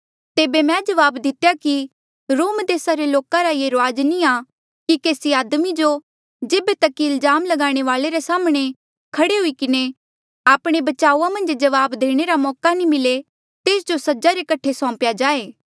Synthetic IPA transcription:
t̪eːbemɛ̃ːd͡ʒɐʋaːbd̪ɪt̪ejaki | ɾoːmd̪eːsaɾeloːkãɾajeɾaːd͡ʒnia | kikeːsiaːd̪mid͡ʒo | d͡ʒeːbet̪ɐkːiɪlzaːmlɐɡaːɽ̃eʋaːleɾesaːmɽ̃e | kʰɐɽeɦʊikɪne | aːpɽ̃ebɐt͡ʃaːuãmɐ̃nd͡ʒd͡ʒɐʋaːbd̪eːɽ̃eɾamɔːkanimɪle | t̪eːsd͡ʒosɐd͡ʒaɾekɐʈʰesɔ̃ːpjad͡ʒaːeː

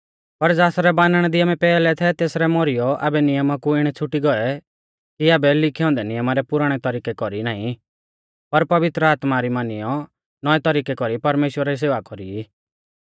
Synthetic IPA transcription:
pɐɾd͡zaːsɾɛbaːnəɽ̃ɛ̃d̪iaːmɛ̃pɛːlɛt̪ʰɛt̪eːsɾɛmɔɾijɔʔa̰ːbɛnɪjəmakuɪɽ̃ɛt͡sʰʊʈiɡɔɛ | kiaːbɛlɪkʰiɔ̃ːnd̪ɛnɪjəmaɾɛpʊɾaɽ̃ɛt̪ɔɾiːkɛkɔɾinãːĩ | pɐɾpɐʋɪt̪ɾəaːt̪maɾimaːnɪjɔ | nɔɛt̪ɔɾiːkɛkɔɾipɐɾmeːʃwəɾais̬eːʋakɔɾii

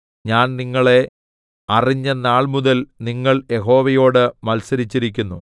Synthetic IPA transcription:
ɲaːnniŋːɐɭe̞ | ɐriɲːɐnaːɭmuðɐlniŋːɐɭje̞ɦo̞ːʋɐjo̞ːɽɨmɐlsɐɾit͡ɕːiɾikʲːunːu

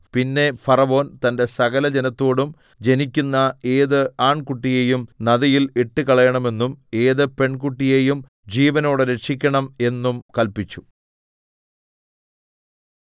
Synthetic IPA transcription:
pinːe̞fɐrɐʋo̞ːnt̪ɐnde̞sɐɣɐlɐd͡ʑenɐt̪ːo̞ːɽum | d͡ʑe̞nikʲːunːɐe̞ːðɨaːɳkuʈːije̞ːjumnɐðɐjileʈːɨkɐɭɐjɐɳɐme̞nːume̞ːðɨpe̞ɳkuʈːije̞jum | d͡ʑiːʋɐno̞ːɽɨɾe̞ʈʂikʲːɐɳɐme̞nːumkɐlpit͡ɕːu̥

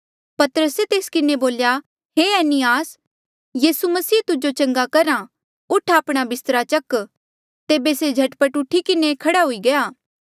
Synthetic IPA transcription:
pɐt̪əɾəset̪eːskɪneboːlja | ɦeːɛːnɪjaːs | jiːsumɐsiːt̪ʊd͡ʒot͡ʃɐ̃ŋɡakɐɾã | ʊʈʰaːpɽ̃abɪst̪əɾat͡ʃɐk | t̪eːbesed͡ʒʱɐʈpəʈʊʈʰːikɪnekʰɐɽaɦʊiɡɐjaː

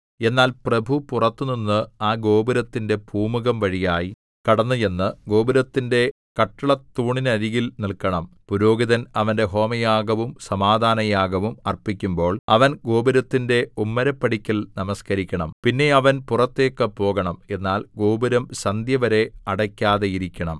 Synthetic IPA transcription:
e̞nːaːlprɐbʱupurɐt̪ːɨninːɨaːɡo̞ːbuɾɐt̪ːinde̞bʱuːmuɣɐmʋɐɻijaːji | kɐɽɐnːuje̞nːɨɡo̞ːbiɾɐt̪ːinde̞ | kɐʈːɐɭɐt̪ːuːɳinɐɾiɣilnilkɐɳɐmpuɾo̞ːɡiðɐnɐʋɐnde̞ɦo̞ːmɐjaːɡɐʋumsɐmaːd̪ʱaːnɐjaːɡɐʋumɐrpikʲːumbo̞ːɭɐʋɐnɡo̞ːbiɾɐt̪ːinde̞umːɐɾɐpːɐɽikʲːɐlnɐmɐskɐɾikʲːɐɳɐmpinːe̞ɐʋɐnpurɐt̪ːe̞ːkːɐpo̞ːɣɐɳɐme̞nːaːlɡo̞ːbiɾɐmɕɐnd̪ʱjɐʋɐɾe̞ɐɽɐkʲːaːðejiɾikʲːɐɳɐm

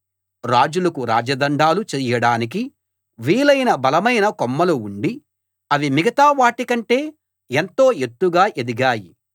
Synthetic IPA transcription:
ɾaːd͡ʒulɐkuɾaːd͡ʒɐd̪ɐɳɖaːlut͡ʃɛjɐɽaːnik̬i | ʋiːlɐjnɐbɐlɐmɐjnɐkɔmːɐluuɳɖi | ɐʋimiɡɐt̪aːʋaːʈikɐɳʈe̞ː | ent̪o̞ːet̪ːuɡaːʔed̪iɡaːji

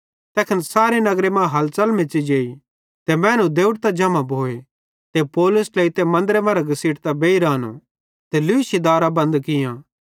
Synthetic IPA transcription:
t̪ɛːkʰɐnsaːɾenɐɡɾemãɦɐlt͡ʃɐlmẽt͡ʃid͡ʒeːi | t̪emɛ̃ːnũd̪eːʊʈt̪ad͡ʒɐmãbʱoːe | t̪epoːlʊsleːit̪emɐ̃nd̪ɾemãːɾaɡɐsiːʈt̪abeːiɾaːnṵ | t̪elʊɪʃid̪aːɾabɐ̃nd̪kɪjãː

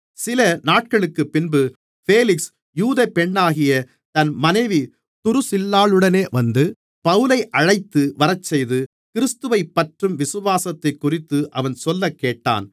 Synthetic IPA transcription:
sɪlɐnaːʈ̚kɐɭɯkːɯpːɪnbɯ | feːlɪks | juːðɐpːɛɳːaːɣɪjɐ | t̪ɐnmɐnɐɪʋi | t̪ʊɾɯsɪlːaːɭɯɽɐneːʋɐnd̪ɯ | pɐʋɯlɐɪʔɐɻɐɪt̪ːɯʋɐɾɐt͡ʃːɛjðɯ | kɪɾɪst̪ɯʋɐɪpːɐʈrɯmʋɪsɯʋaːsɐt̪ːɐɪkːʊrɪt̪ːɯʔɐʋɐnsɔlːɐkːeːʈːa̰ːn

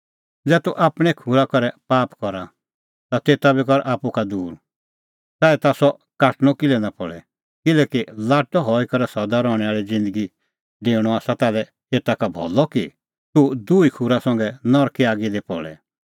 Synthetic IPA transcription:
d͡zɛːt̪uʔaːpɽ̃ɛkʰuɾakɔɾɛpaːpkɔɾa | t̪at̪eːt̪abikɔɾʔaːpukad̪uːɾ | saːɛt̪asɔ | kaːʈɽ̃ɔkɪlɛnapɔɭɛ̰ | kɪlɛːkilaːʈɔɦɔikɔɾɛsɐd̪aɾɔɽ̃ɛaːɭid͡zɪ̃nd̪əɡi | ɖeːɽ̃ɔaːsat̪aːlɛ | eːt̪akabʱɔ̰lɔki | t̪ud̪uːikʰuɾasɐ̃ŋɡɛnɔɾkiaːɡid̪epɔ̰ɭɛ̰

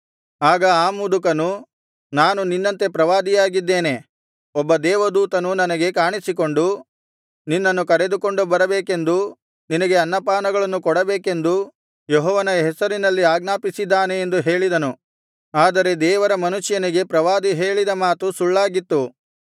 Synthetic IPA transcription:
aːɡɐaːmulukɐnu | naːnuninːɐnt̪e̞pɾɐʋaːd̪ijaːɡid̪ːe̞ːne̞ | ɔbːɐd̪ɛːʋɐd̪uːt̪ɐnunɐnɐɡe̞kaːɳisik̬o̞ɳɖu | ninːɐnːukɐɾe̞d̪uko̞ɳɖubɐɾɐbeːkend̪u | ninɐɡe̞ɐnːɐpaːnɐɡɐɭɐnːukɔɽɐbeːke̞nd̪u | jɔɦɔːʋɐnɐɦɛsɐɾinɐlːiaːɡnaːpisid̪ːaːne̞ːnd̪uɦe̞ːɭid̪ɐnu | aːd̪ɐɾe̞d̪ɛːʋɐɾɐmɐnuʃjɐniɡe̞pɾɐʋaːd̪iɦe̞ːɭid̪ɐmaːt̪usuɭːaːɡit̪ːu

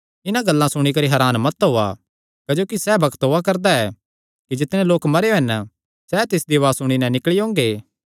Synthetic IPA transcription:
ɪnãɡɐlːãsʊɽ̃ikɐɾiɦɛɾaːnmɐt̪ɦoa̰ | kd͡ʒoːkisɛbɐkt̪ɦoakɐɾd̪aɛː | kid͡ʒɪt̪nẽloːkmɐɾeɦɐn | sɛt̪ɪsd̪iʋaːsʊɽ̃inɛ̃nɪkɭiɦõːŋɡeː

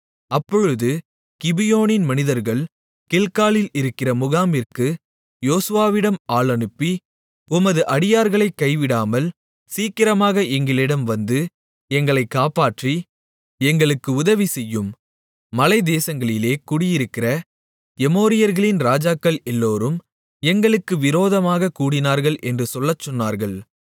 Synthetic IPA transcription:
ɐpːɔɻɯðɯ | kɪbɪjoːnɪnmɐnɪðɐɾɣɐɭ | kɪlkaːlɪlɪɾɯkːɪrɐmʊɣaːmɪrkɯ | joːsɯʋaːʋɪɽɐmaːɭɐnɯpːi | ʊmɐðɯʔɐɽɪjaːɾɣɐɭɐɪkːɐɪʋɪɽaːmɐl | siːkɪɾɐmaːɣɐʔɛŋɡɪlɪɽɐmʋɐnd̪ɯ | ɛŋɡɐɭɐɪkːaːpaːʈri | ɛŋɡɐɭɯkːɯʊðɐʋisɛjːɯmː | ɐlɐɪd̪eːsɐŋɡɐɭɪleːkʊɽɪjɪɾɯkːɪrɐ | ɛmoːɾɪjɐɾɣɐɭɪnɾaːd͡ʒaːkːɐlɛlːoːɾɯm | ɛŋɡɐɭɯkːɯʋɪɾoːðɐmaːɣɐkuːɽɪnaːɾɣɐɭʔɛndrɯsɔlːɐt͡ʃːɔnːaːɾɣɐɭ

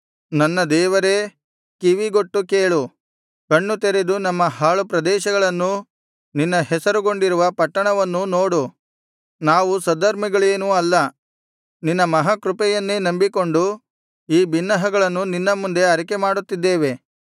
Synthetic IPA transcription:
nɐnːɐd̪ɛːʋɐɾe̞ | kiʋiɡo̞ʈːukeːɭu | kɐɳːut̪eɾed̪unɐmːɐɦaːɭupɾɐd̪ɛːʃɐɡɐɭɐnːu | ninːɐhɛsɐɾuɡo̞ɳɖiɾuʋɐpɐʈːɐɳɐʋɐnːunoːɽu | naːʋusɐd̪ɐɾmiɡɐɭeːnuːɐlːɐ | ninːɐmɐɦaːkɾupɛjɐnːenɐmbiko̞ɳɖu | iːbinːɐɦɐɡɐɭɐnːuninːɐmund̪e̞ɐɾikemaːɽut̪ːid̪ːeːʋe̞

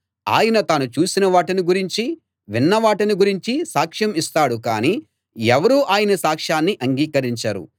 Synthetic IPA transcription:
a̰ːjɐnɐt̪aːnut͡ʃuːsinɐʋaːʈɐniɡuɾiɲt͡ʃi | ʋinːɐʋaːʈɐniɡuɾiɲt͡ʃisaːkʂɐmist̪aːɽukaːniː | ɛʋɐɾuːʔaːjɐnɐsaːkʂaːnːiʔɐŋɡiːkɐɾiɲt͡ʃɐːɾṵ

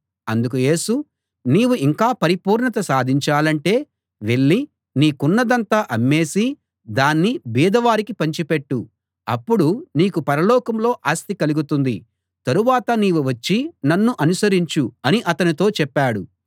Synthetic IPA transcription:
ɐnd̪ukuje̞ːsu | niːwuiŋkaːpɐɾipuːɾɳɐt̪ɐsaːd̪ʱiɲt͡ʃaːlɐɳʈe̞ː | ʋe̞ɭːi | niːkunːɐd̪ɐnt̪aːʔɐmːe̞ːsi | d̪aːnːibiːd̪ɐʋaːɾikipɐɲt͡ʃipeʈːu | ɐpːuɽuniːkupɐɾɐlɔːkɐmlo̞ːʔaːst̪ikɐluɡut̪und̪ḭ | t̪ɐɾuʋaːt̪ɐniːwuʋɐt͡ʃːinɐnːuʔɐnusɐɾiɲt͡ʃuɐniʔɐt̪ɐnit̪o̞ːt͡ʃɛpːaːɽu

